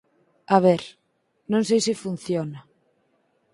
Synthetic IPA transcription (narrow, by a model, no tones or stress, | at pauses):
aβɛɾ | nõŋsejsɪfun̟θjonɐ